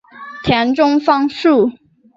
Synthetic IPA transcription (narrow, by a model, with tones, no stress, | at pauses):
t̪ʰjɛ˧˥nʈ͡ʂʊ˥ŋfɑ˥ŋʂu˥˩